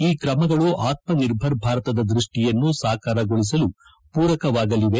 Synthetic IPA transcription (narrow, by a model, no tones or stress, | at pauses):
iːkɾɐmɐɡɐɭuʔaːt̪̚mɐniɾbʱɐɾbʱaːɾɐt̪ɐd̪ɐd̪ɾiʂʈijɐnːusaːkaːɾɐɡoɭis̬ɐlu | puːɾɐkɐʋaːɡɐliʋe